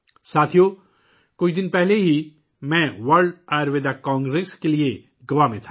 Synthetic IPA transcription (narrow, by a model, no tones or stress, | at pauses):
saːt̪ʰijo | kʊt͡ʃʰd̪ɪnpɛɦleɦi | mɛ̃ːʋɐɾɖɛːɾʋeːd̪akãːŋɡɾeːskelie | ɡɐʋamẽt̪ʰḁ